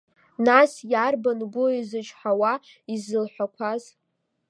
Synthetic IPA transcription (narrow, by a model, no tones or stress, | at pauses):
nasjarbanɡʷʊizɨt͡ʃʰħawa | izɨlħʷakʷʰaz